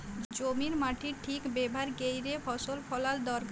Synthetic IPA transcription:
d͡ʑomiɾmaʈʰiʈʰikbebʱaɾɡejɾefʰɔʃolpʰɔlald̪ɔɾk

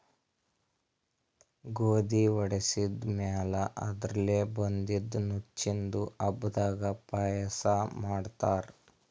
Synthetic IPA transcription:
ɡoːd̪iʋɔɽesid̪maːlɐʔɐ̰d̪ɾɐleːbond̪id̪nut͡ʃt͡ʃːind̪uɐbd̪aːɡɐpaːjɐsɐmaːɖt̪aːɾ

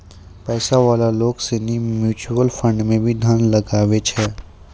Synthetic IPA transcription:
pɛːsaʋaːlaloːɡsenimjuːt͡ʃuwəlfə̃ɳɖmẽbʱid̪ʱaːnlɐɡaːʋet͡ʃʰɛː

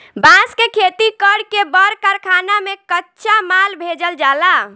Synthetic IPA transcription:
bãskekʰet̪ikəɽkebəɾkəɾkʰanamekətːʃamalbʱed͡ʒəld͡ʒala

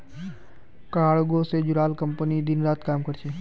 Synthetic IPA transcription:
kaːɽɡosed͡ʒʊɾaːlkəmpənid̪ɪnɾaːt̪kaːmkəɾt͡ʃʰeː

